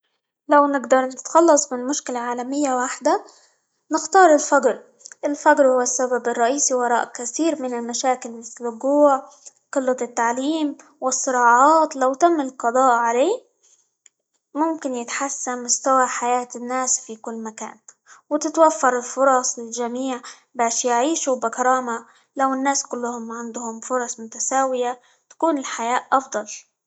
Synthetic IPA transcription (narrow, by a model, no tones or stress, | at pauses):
lawnɪɡd̪ɑɾˤnɪt̪xɑlːɑsˤmɪnmʊʃkɪlaʕaːlamɪjːawaħd̪a | nɪxt̪ɑːɾˤɪlfaɡɾ | ʔɪlfaɡɾhʊwːasːababɪrˤːɑʔiːsiwɑɾˤɑ̰ːʔkaθiːɾmɪnɪlmaʃaːkɪlmɪθlːʊɡuːʕ | qɨlːɑt̪ːaʕliːm | wɪsːɨɾɑːʕɑːt̪lawt̪amːɪlqɑd̪ˤɑːʔʕaleː | mʊmkɪnjɪt̪ħasːanmʊst̪awaħajaːt̪ɪnːaːsfikʊlːmaka̰ːn | wɪt̪ɪt̪wafːɑɾˤɪlfʊɾˤɑsˤlɪlʒamiːʕ | baːʃjɪʕiːʃubɪkɑɾˤɑːma | lawɪnːaːskʊlːhʊmʕand̪ʊhʊmfʊɾˤɑsˤmʊt̪asaːwɪja | t̪ḁkuːnɪlħajaːʔʔɑfd̪ˤɑl